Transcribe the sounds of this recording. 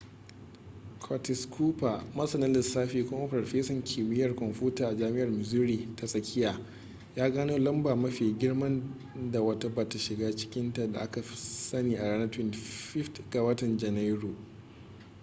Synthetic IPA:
kʰɔ˨tɪ˨skʰuː˦pa˨mɐ˦sɐ˨nɐ˦dɪ˨saː˦ɸiː˦kʷʊ˦ma˦ɸɾɔ˨ɸeː˦sɔ˨ŋkʲʰiː˨mɪ˦jɐ˨rkɔ˨mɸuː˦taː˨ʔa˨d͡ʒaː˦mɪ˦ʔɐ˨rmɪ˨zuː˦ɾiː˨tʰa˨sʼɐ˨kʲʰɪ˦jaː˨ | jaː˦ɡaː˦noː˦lɐ˦mbaː˨mɐ˦ɸeː˨ɡʲɪ˦ɽmɐ˦n | da˨wɐ˦˨ta˦ba˨ta˨ʃɪ˨ɡaː˦t͡ʃɪ̥˦kʲɪ˦nta˨da̰˨ʔa˦ka˨sɐ˦niː˨ʔa˨ɽaː˦nɐ˦twɪ˦nɸɪ˦ftɡ̥a˨wɐ˦tɐ˨nd͡ʒɛ˨na˦jɾu˨

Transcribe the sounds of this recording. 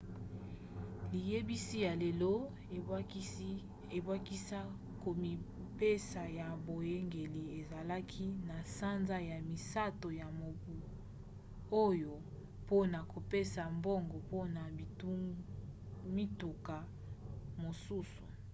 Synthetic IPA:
li˨je˦bi˦si˦ja˨le˨lo˦˨ | e˨bwa˦ki˦a˦ | ko˨i˨ | pe˦sa˨ja˨bo˨je˦ŋɡe˨li˨e˨za˨la˦kʰi˦na˨sa˦nza˦ja˨mi˨sa˦to˨ja˨mo˨bu˨ | o˦jo˨ | po˦na˨ko˨pe˦sa˨mbo˦ŋɡo˨po˦na˨ | mi˦tu˨ka˨ | mo˨su˦su̥˨

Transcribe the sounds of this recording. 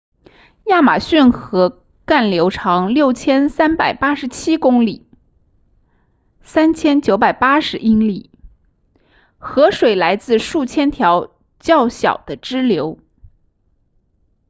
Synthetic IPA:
ja˥˩ma̰˨˩ɕy˥˩nxɤ˧˥ | ka˥˩nljo˧˥ʊʈ͡ʂʰɑ˧˥ŋljo˥˩ʊt͡ɕʰjɛ˥nsa˥npa˨˩ɪpa˥ʂɻ̩˧˥t͡ɕʰi˥kʊ˥ŋli˨˩˦ | sa˥nt͡ɕʰjɛ˥nt͡ɕjo˧˥ʊpa˨˩ɪpa˥ʂɻ̩˧˥ʔi˥nli˨˩˦ | xɤ˧˥ʂwe˨˩ɪla˧˥ɪt͡sɹ̩˥˧ʂu˥˩t͡ɕʰjɛ˥nt̪ʰjɑ˧˥ʊ | t͡ɕjɑ˥˩ʊɕjɑ̰˨˩ʊd̪̥ə˦ʈ͡ʂɻ̩˥ljo˧˥ʊ

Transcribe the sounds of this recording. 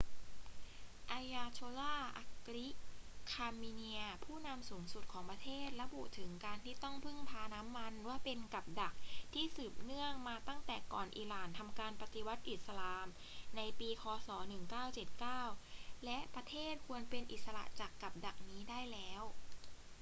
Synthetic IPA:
ʔa˧jaː˧t͡ɕʰoː˧laː˥˩ʔa̰˧˩kɾi˦˥kʰaː˧miː˧ni˧ɐpʰuː˥˩na˧msuː˩˦ŋsu˨˩t̪̚kʰɔː˩˦ŋpɾa˧t̪ʰeː˥˩t̪̚ɾa˧bṵ˨˩t̪ʰɯ˩˦ŋkaː˧nt̪ʰiː˥˩t̪ɔ˥˩ŋpʰɯ˥˩ŋp̪ʰaː˧na˦˥mːa˧nwaː˥˩pe˧nka˨˩p̚da˨˩k̚t̪ʰiː˥˩sɯː˨˩p̚nɯ˥˩əŋmaː˧t̪a˥˩ŋt̪ɛː˨˩kɔ̰ː˨˩nʔḭː˨˩laː˨˩nt̪ʰa˧mkaː˧npa˧t̪i˧˦wa˦˥t̪̚ʔi˨˩t̪̚sa˧laː˧m | na˧jpiː˧kʰɔː˧sɔː˩˦nɯ˨˩ŋkaː˥˩wt͡ɕe˨˩t̪̚kaː˥˩wlɛ˦˥ʔpɾa˧t̪ʰeː˥˩t̪̚kʰu˧ənpe˧nʔi˨˩t̪̚sa˧la̰˨˩ʔt͡ɕaː˨˩kːa˨˩p̚da˨˩k̚niː˦˥daː˥˩jlɛː˦˥w

